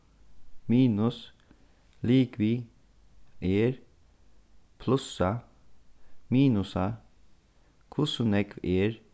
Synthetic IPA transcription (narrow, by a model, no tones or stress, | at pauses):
miːnʉs | liːkʋiː | eːɾ | pʰlʉsɑ | miːnʊsɑ | kʰʊsʊnɛkʋeːɾ